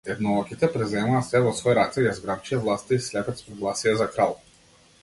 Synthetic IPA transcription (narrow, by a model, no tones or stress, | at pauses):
t̪ɛxnɔlˠɔkit̪ɛpɾɛzɛmaat̪sɛvɔsvɔjɾat̪sɛjazɡɾabt͡ʃijavlˠast̪aislɛpɛt̪spɔɡlˠasiɛzakɾalˠ